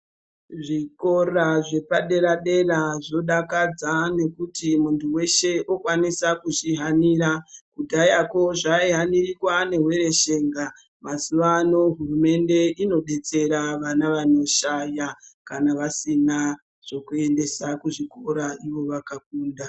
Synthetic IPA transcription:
ʐiko̞raʐe̞paɗe̞ɾaɗe̞raʐo̞ɗakad͡zane̞kutimuntʰuwe̞ʃe̞ʔo̞kwanisakuʐiɦaniːɾakudʱajako̞ʐaiɦanirikwane̞ɦwe̞ɾe̞ʃe̞ŋɡa | masuʋano̞ɦurume̞nde̞ino̞ɗe̞t͡se̞ɾaʋanaʋano̞ʃajakanaʋasina | ʐ̥o̞kue̞nde̞sakuʐiko̞ɾaiʋo̞ʋakak̚uːnda

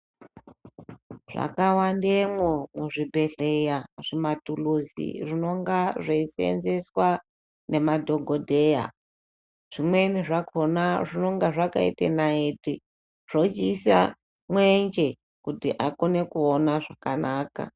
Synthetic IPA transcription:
ʐ̥a̰kawandemwomuʐibʱe̞ɮejaʐimatuluzḭrino̞ŋɡaʐeisḛnze̞swa | ne̞madʱo̞ɡʱodʱe̞ja̰ | ʐ̥imwe̞niʐakonaʐino̞ŋɡaʐaka̰ḭtḛnaeti | ʐ̥ot͡ʃisa̰ | mwend͡ʒe̞ | kutiʔakone̞kuonaʐakanaːka̰

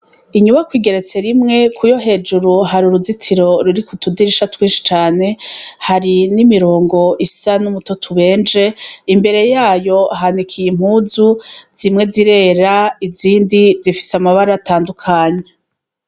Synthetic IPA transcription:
iɲuβakwiːɡe̞ɾe̞t͡se̞ɾimŋe̞kʰujo̞ɦe̞ːd͡ʒuɾuɦaɾuɾuzitʰiɾo̞ɾuɾikutudiɾiʃatwiːnʃi̥t͡ʃaːne̞haɾinimiɾo̞ːŋɡo̞ʔisanumutotʰuβe̞ːnd͡ʒe̞imbe̞ɾe̞jaːjo̞ɦanikʰijim̥huːzuz̥imŋe̞ziɾe̞ːɾaiziːndizifi̥samaβaɾataːndukʰaːɲe

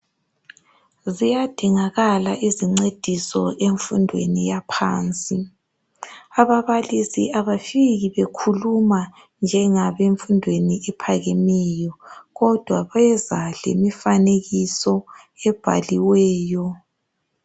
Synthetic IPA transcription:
zijad̥ʱiŋaɣalaʔiziŋ͡ǀed̥ʱisɔeɱfundʱwḛnijapʰa̰ːnt͡sʼi | aβaβalisḭaβafiɣiβekʰuluma | nd͡ʒʱɛŋaβeɱfundʱweniʔɛpʰaɣɛmɛjɔɣɔd̥ʱwaβɛzalḛmifaneɣisɔ | ɛb̥ʱa̰liwɛːjɔ

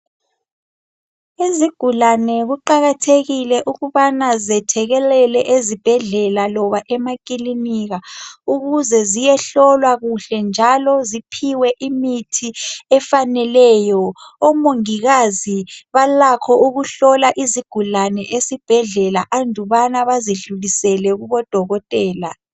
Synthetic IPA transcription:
eziɡ̥ʱulanɛɣuǃaɣatʰeɣilɛʔuɣuβanazɛtʰɛɣɛlɛlɛʔezib̥ʱɛɮɛlalɔβaʔɛmak̬ʼiliniɣauɣuzɛzijɛɬɔlwaɣuɬɛnd͡ʒʱalɔzipʰiwɛʔimitʰiɛfanɛlɛːjɔɔmoŋiɣaziβalakʰɔuɣuɬɔlaʔiziɡ̥ʱulanɛʔesib̥ʱɛɮɛlaʔandʱuβanaβaziɮulisɛlɛɣuβɔd̥ʱɔɣɔtʼɛːla

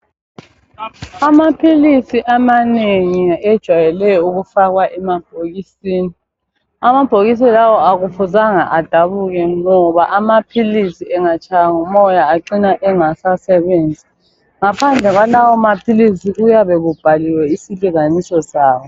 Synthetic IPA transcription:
amapʰilisiʔamaneŋiɛd̥ʒ̥ʱwajɛlɛjɔuɣufaɣwaʔɛmab̥̚ʱoɣisiːni | amab̥ʱoɣis̬ilawɔaɣufuzaŋa̰ʔad̥ʱaβuɣɛŋɔβaʔamapʰilisiɛŋat͡ʃʰʼajaŋumɔjaːǃinaʔɛŋasasɛβeːnd͡zʱi | ŋapʰand͡ɮʱɛɣwalawɔmapʰilisiujaβɛɣub̥ʱaliwɛisiliɣanisɔsaːwɔ

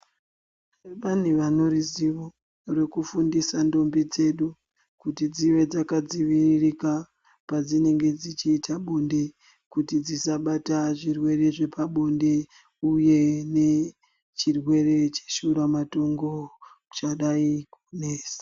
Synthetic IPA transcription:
ʋan̤uʋano̞ɾiziʋo | re̞kufundisando̞mbid͡ze̞ɗu | kutid͡ziʋe̞d͡zakad͡ziʋiririka | pad͡zine̞ŋɡe̞d͡zit͡ʃiːtʰaɓo̞nde̞ | kutid͡zisaɓataʐirwe̞re̞ʐe̞paɓo̞nde̞ | uje̞ne̞ | t͡ʃirwe̞re̞t͡ʃe̥ʃuɾamato̞ŋɡo̞ | t͡ʃaɗaikune̞ːsḁ

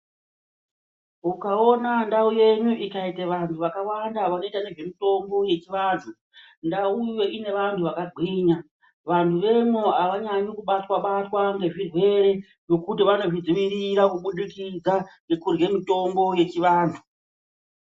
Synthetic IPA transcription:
ukao̞nandauje̞ɲuʔikaiteʋantʰuʋakawandaʋano̞itane̞ʐe̞mito̞mbo̞je̞t͡ʃiʋaːntʰu | ndauje̞ʔine̞ʋantʰuʋakaɡʱwiːɲa | ʋantʰuʋe̞mwoaʋaɲaɲokuɓatwaɓatwaŋɡe̞ʐirwe̞ɾe̞ | ʐ̥o̞kutiʋano̞ʐid͡ziʋiɾiɾakuɓuɗikid͡zaŋɡe̞kurɡe̞mito̞mbo̞je̞t͡ʃiʋaːntʰu

